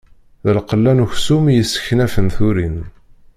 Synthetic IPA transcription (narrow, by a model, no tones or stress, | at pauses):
ðəlqəlːænuçsumjəsːə̥çnæfənθuɾin